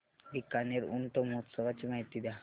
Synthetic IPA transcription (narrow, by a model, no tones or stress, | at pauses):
bikaneɾṵnʈomot̪sɔʋat͡ɕimaɦit̪id̪a